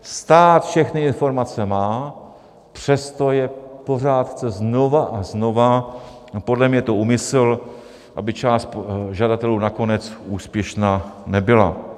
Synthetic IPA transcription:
st̪aːt̪fʃɛxnɪɪnfo̞ɾmat͡sɛmaː | pr̝̥ɛst̪o̞jɛpo̞r̝aːt̪t͡sɛzno̞vaʔazno̞va | po̞dlɛmɲɛt̪o̞uːmɪsɛl | ʔa̰bɪt͡ʃaːst̪ʒadat̪ɛluːnako̞nɛt͡suːspjɛʃnaːnɛbɪla̰

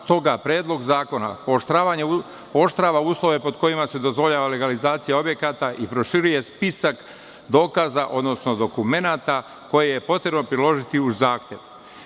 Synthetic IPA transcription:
t̪o̞ɡapɾe̞ːd̪lˠo̞ɡzaːko̞na̰poʃt̪ɾaːʋaɲe | pooʃt̪ɾaːʋauːslˠo̞ʋe̞po̞d̪ko̞imase̞d̪o̞zʋo̞ʎaːʋale̞ɡalizaːt̪sijao̞bje̞kat̪aʔipɾo̞ʃiɾuje̞spisak | d̪o̞ːkazaʔo̞d̪no̞sno̞d̪o̞kume̞naːt̪a | ko̞jejepo̞t̪ɾe̞bno̞pɾilo̞ʒit̪iuzaːxt̪je̞ʋ

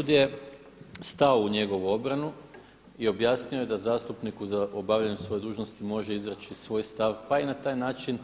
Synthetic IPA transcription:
ud̪je̞ | st̪aouɲe̞ɡo̞ʋuo̞bɾanu | io̞bjaːsɲioje̞d̪azaːst̪upnikuzaʔobaʋʎaɲusʋo̞je̞d̪uːʒno̞st̪imo̞ʒe̞izɾat͡ʃisʋo̞ːjst̪aʋpainat̪aːjnaːt͡ʃin

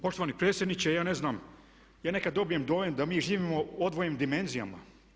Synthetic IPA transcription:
po̞ʃt̪oʋanipɾet̪sjed̪nit͡ɕejaːne̞znaːm | jaːne̞kad̪ːo̞bijemd̪o̞ːjemd̪amiːʒiːʋimo̞od̪ʋojemd̪ime̞nzija̰ma̰

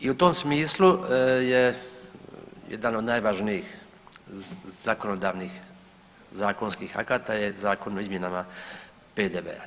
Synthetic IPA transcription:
iut̪o̞msmiːslˠuje | jḛd̪ano̞d̪naːjʋaʒnijix | z̥ako̞nod̪aːʋnix | zaːkonskiːxa̰kaːt̪ajezaːkonoizmje̞nama | peːd̪eːʋḛa̰

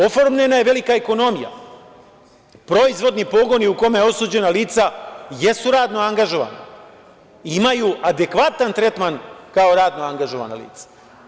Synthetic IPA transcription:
o̞foɾmɲenaje̞ʋe̞likaeko̞no̞mija̰ | pɾo̞izʋo̞d̪nipo̞ɡo̞niukomejeo̞suːd͡ʑe̞naliːt̪saje̞suɾaːd̪no̞aŋɡaʒo̞ʋa̰na | imajuʔad̪e̞kʋat̪ant̪ɾe̞t̪mankao̞ɾaːd̪noaŋɡaʒo̞ʋa̰na̰lḭːt̪sḁ

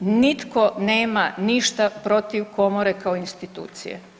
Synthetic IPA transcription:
nit̪kone̞ːmaniʃt̪apɾo̞t̪iʋko̞moɾe̞kaoinst̪it̪ṵːt̪sḭjḛ

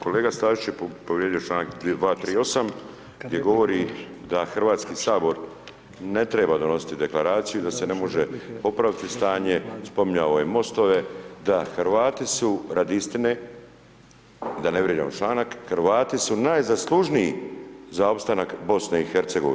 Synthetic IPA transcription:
ko̞le̞ːɡast̪aːʒit͡ʃjeppoʋɾjed̪ijot͡ʃlˠaːnak̪d̪ʋaːt̪ɾiːo̞sam | d̪ʲjeɡo̞ʋo̞ɾi | d̪axrʋaːt̪skiːsaːbo̞ɾ | ne̞t̪ɾe̞ːbad̪o̞no̞si̥t̪id̪e̞klaɾaːt̪sijud̪ase̞ne̞mo̞ʒepo̞pɾaʋit̪ist̪aːɲe̞spo̞mɲaʋojemo̞st̪o̞ʋe̞d̪axɾʋaːt̪isuɾad̪ist̪ine | d̪aneʋɾjed͡ʑa̰mot͡ʃlˠaːnakxɾʋaːt̪isunaːjzaslˠuʒniizao̞pst̪anakbo̞sneixeɾt̪se̞ɡo̰i

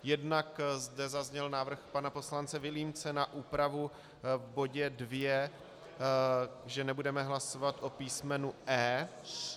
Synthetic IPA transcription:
jɛdnakzdɛzazɲɛlnaːvr̩xpanapo̞slant͡sɛvɪliːmt͡sɛnaʔuːpɾavu | vbo̞ɟɛdvjɛ | ʒɛnɛbudɛmɛɦlaso̞vat̪ʔopiːsmɛnuʔɛː

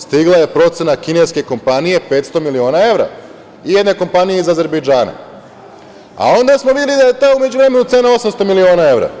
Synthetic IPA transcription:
st̪iɡlˠaje̞pɾo̞t̪se̞nakine̞ske̞ko̞mpanije̞pe̞ːt̪st̪o̞milio̞ːnae̞ʋɾa̰ | ijed̪ne̞ko̞mpanijeizaze̞ɾbejd͡ʒaːna̰ | a̰o̞nd̪asmoʋid̪ʲelid̪aje̞t̪aume̞d͡ʒuʋɾe̞me̞nut̪se̞nao̞samst̪omilio̞ːnae̞ʋɾa̰

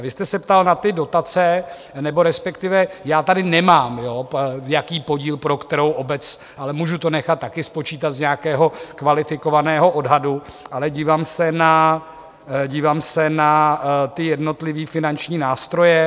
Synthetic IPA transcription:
vɪst̪ɛsɛpt̪alnat̪ɪdo̞t̪at͡sɛ | nɛbo̞ɾɛspɛkt̪ɪvɛjaːt̪adɪnɛmaːmjojakiːpo̞ɟiːlpɾo̞kt̪ɛɾo̞wʔobɛt͡s | ʔalɛmuʒut̪o̞nɛxat̪ːakɪspo̞t͡ʃiːt̪at̪zɲɛakɛːɦo̞kvalɪfɪko̞vanɛːɦo̞ʔodɦaduʔalɛɟiːvaːmsɛna | ɟiːvaːmsɛnat̪ɪjɛdno̞t̪lɪviːfɪnant͡ʃɲiːnaːst̪ɾo̞jɛ

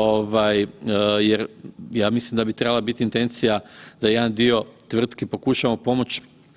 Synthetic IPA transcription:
oʋajjeɾjaːmislimd̪abit̪ɾe̞balˠabit̪iːnt̪e̞nt̪sijad̪aje̞d̪and̪io̞t̪ʋr̩t̪kepo̞kuʃaʋamopo̞mo̞t͡ɕ

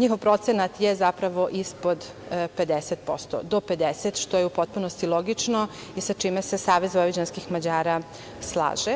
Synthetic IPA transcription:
ɲixo̞vpɾo̞t̪senat̪jezapɾaʋo̞ʔispo̞d̪ | pe̞d̪eset̪̚po̞̰st̪o̰d̪o̞pe̞d̪eset̪ʃt̪ojeupo̞t̪̚punost̪ilˠo̞ɡit͡ʂno | isat͡ʃimesesaːʋezvoid͡ʑanskixmad͡ʑaːɾa | slˠa̰ːʒe

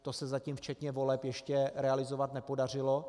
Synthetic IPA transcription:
t̪osɛzaciːmft͡ʃɛt̪ɲɛvo̞lɛpjɛʃcɛɾɛalɪzovat̪nɛpo̞dar̝ɪlo

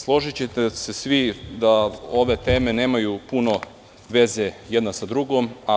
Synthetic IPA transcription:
slˠo̞ʒit͡ɕet̪ese̞sʋid̪ao̞ʋe̞t̪e̞ːme̞ne̞ːmajupuno̞ | ʋe̞ze̞jed̪nasad̪ɾuɡoma

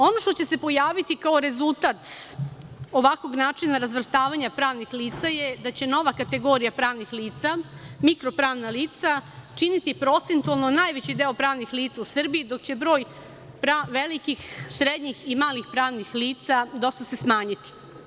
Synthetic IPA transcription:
o̞no̞ʃt̪o̞t͡ɕe̞se̞po̞jaːʋit̪ikao̞ɾe̞zulˠt̪at̪ | o̞ʋakʋo̞ɡnaːt͡ʂinaɾazʋr̩st̪aːʋaɲapɾaːʋnixliːt̪sajed̪at͡ɕe̞no̞ʋakat̪e̞ɡo̞ɾijapɾaːʋnixliːt̪samikɾo̞pɾaːʋnaliːt̪sat͡ʃinit̪ipɾo̞t̪sent̪ualˠnonaːjʋet͡ɕid̪eːopɾaːʋnixliːt̪sausr̩biid̪o̞kt͡ɕe̞bɾo̞ːj | pɾaʋelikixsɾed̪ɲiximaːlixpɾaːʋnixliːt̪sad̪o̞st̪ase̞smaːɲit̪i̥

